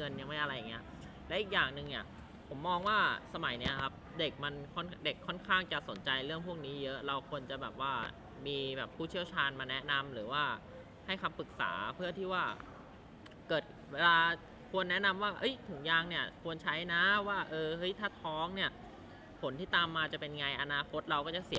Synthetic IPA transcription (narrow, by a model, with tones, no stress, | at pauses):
ɤ˧nja˧ŋma˦˩jʔa˧ɾa˧ja˨˩ŋːi˦˥ɐ | lɛ˦˥ʔiː˨˩k̚jaː˨˩ŋnɯ˨˩ŋni˥˩ɐ | pʰo˩˦mːɔː˧ŋwaː˥˩sa˧ma˩˦jni˦˥ɐkʰa˦˥p̚de˨˩k̚ma˧nkʰɔ˥˩nde˨˩kʰːɔ˥˩nkʰaː˥˩ŋt͡ɕa˨˩so˩˦nt͡ɕa˧jɾɯ˥˩əŋpʰu˥˩ək̚niː˦˥jɤ˦˥ʔɾa˧wkʰu˧ənt͡ɕa˨˩bɛː˨˩p̚waː˥˩ | miː˧bɛː˨˩pʰːuː˥˩t͡ɕʰi˥˩əwt͡ɕʰaː˧nmaː˧nɛ˦˥na˧mɾɯː˩˦waː˥˩ | ha˥˩jkʰa˧mpɯ˨˩k̚sa̰ː˩˦pʰɯ˥˩ət̪ʰiː˥˩waː˥˩ | kɤː˨˩t̪̚ | weː˧laː˧ | kʰu˧ənːɛ˦˥na˧mwaː˥˩ʔɤ˦˥jt̪ʰɯ˩˦ŋjaː˧ŋni˥˩ɐkʰu˧ənt͡ɕʰa˦˥jna˦˥waː˥˩ʔɤː˧hɤ˦˥jt̪ʰaː˥˩t̪ʰɔː˦˥ŋni˥˩ɐ | pʰo˩˦nt̪ʰiː˥˩t̪aː˧mːaː˧t͡ɕa˨˩pe˧nŋa˧jʔa˧naː˧kʰo˦˥t̪̚ɾa˧wkɔː˥˩t͡ɕa˨˩si˨˩˦